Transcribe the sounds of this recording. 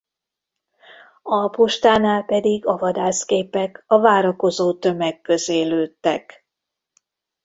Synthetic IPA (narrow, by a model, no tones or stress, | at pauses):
ɒpoʃt̪aːnaːlpɛd̪iɡɒvɒd̪aːskeːpɛkɒvaːɾɒko̞zoːt̪ø̞mɛkːø̞zeːløːt̪ːɛk